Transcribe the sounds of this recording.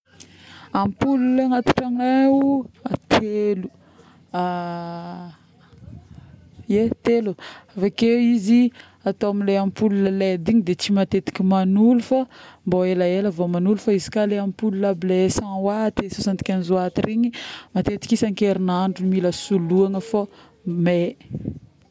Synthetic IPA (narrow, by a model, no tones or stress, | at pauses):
ampululaŋat̪ḁʈ͡ʂaŋeuat̪ʰelu̥ | a | et̪eluavakewizi | at̪oamileampululəled̪iɲid̪et͡ʃimat̪et̪i̥kʲimanulufamboelaeləvomanulufaizi̥kaleamipulunablesãwat̪esosant̪i̥kʲanizoat̪iɾiɲimat̪et̪i̥kisaŋkeɾinaɳɖ͡ʐumiləsuluaŋəfo | me